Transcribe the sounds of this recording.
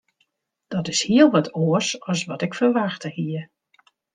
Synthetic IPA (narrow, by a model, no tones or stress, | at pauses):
d̥ɔtɪshiəlˠʋɔtʰoəsɔsʋɔtɪkfərʋaxtəhiər